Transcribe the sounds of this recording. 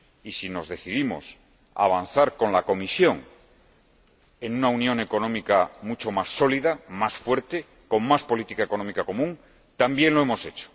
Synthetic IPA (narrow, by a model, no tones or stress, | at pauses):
isino̞zðe̞θiðimo̞̰s | a̰β̞an̟θaɾko̞nlako̞misjo̞ŋ | e̞nunaunjo̞ŋe̞ko̞nõ̞mikamut͡ʃo̞masːo̞liðamasfwe̞ɾt̪e̞ | ko̞ŋmaspo̞lit̪ikaeko̞nomikako̞mũŋ | t̪ambje̞nlo̞emo̞se̞t͡ʃo̥